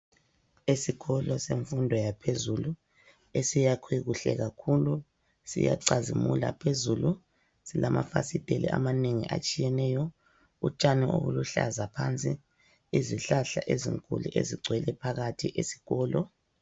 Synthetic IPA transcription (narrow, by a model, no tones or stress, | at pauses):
esiɣɔlɔseɱfundʱɔjapʰezulu | esijakʰwiɣuɬɛ̰ɣakʰulu | sḭja̰ǀazimula̰pʰezulu | silamafasid̥ʼʱelḭʔa̰maneŋḭʔa̰t͡ʃʼijɛnɛːjɔ | ut͡ʃʼaniʔo̰ɣuluɬa̰zapʰant͡sʼi | iziɬaɬaʔezḭŋkʼulḭʔeziɡ͡ǀʱwɛlɛpʰaɣatʰiʔesi̥ɣɔːlɔ